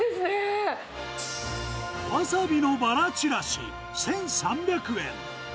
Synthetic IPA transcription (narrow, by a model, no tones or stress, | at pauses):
se | basabʲino̞baɾat͡ɕiɾaɕḭ | sẽ̞ɰ̃sãmbʲjakɯ̟ḛ̃ŋ